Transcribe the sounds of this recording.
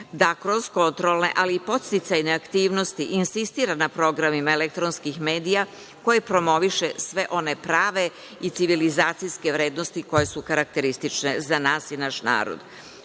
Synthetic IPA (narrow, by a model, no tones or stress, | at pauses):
d̪akɾo̞zko̞nt̪ɾo̞lne̞̰ʔaliːpo̞t̪st̪it̪sajneakt̪iːʋno̞st̪iʔinsist̪iːɾanapɾo̞ɡɾamimae̞lek̚t̪ɾonskixme̞ːd̪ija | ko̞je̞pɾo̞mo̞ʋiʃe̞sʋe̞ʔo̞ne̞pɾaːʋe̞ | it̪siʋilizaːt̪sijske̞ʋɾe̞ːd̪nost̪iko̞je̞sukaɾak̚t̪e̞ɾist̪it͡ʃne̞zanaːsinaʃna̰ːɾo̰d̪